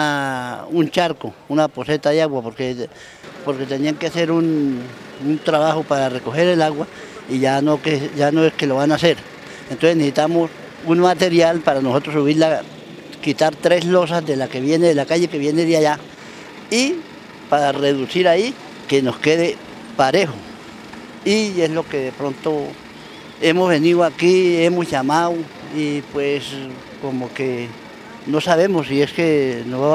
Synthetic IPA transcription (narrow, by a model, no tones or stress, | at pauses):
aunt͡ʃaɾkounaposet̪aðeaɣwapoɾke | poɾket̪eniaŋkeaseɾun | unt̪ɾaβaxopaɾarekoxeɾelaɣwa | iʝanokeʝanoeskeloβanaseɾ | ent̪osenesit̪amos | unmat̪eɾjalpaɾanosot̪ɾos̬uβiɾla | kit̪aɾt̪ɾeslos̬azðelakeβjeneðlakaʝekeβjeneðeaʝa | i | paɾareðusiɾai | kenoskeðe | paɾexo | ieslokeðepɾont̪o | emozβeniðoakiemosʝamaw | ipwes | komoke | nosaβemosieskenoa